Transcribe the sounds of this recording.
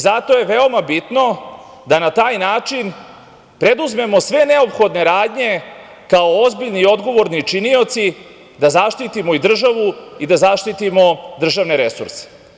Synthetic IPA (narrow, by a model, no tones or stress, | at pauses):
zat̪o̞je̞ʋe̞o̞mabit̪no̞ | d̪anat̪aːjnaːt͡ʂin | pɾe̞d̪uzme̞mo̞sʋe̞ne̞o̞pxo̞d̪ne̞ɾaːd̪ɲe̞ | kao̞ozbiʎniːo̞d̪ɡo̞ʋo̞ɾnit͡ʃinio̞t̪si | d̪azaʃt̪it̪imo̞id̪r̩ʒaʋuid̪azaʃt̪it̪imo̞d̪r̩ʒaʋne̞ɾe̞sṵɾse̥